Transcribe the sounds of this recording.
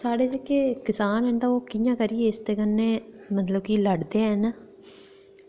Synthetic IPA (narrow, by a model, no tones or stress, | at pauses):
saːɽeːd͡ʒekekɪsaːnɦɛ̃ːnd̪aːoːkɪjãːkəɾijeːɪst̪eːkənːeːmət̪ləb̚kiːləɖd̪ẽna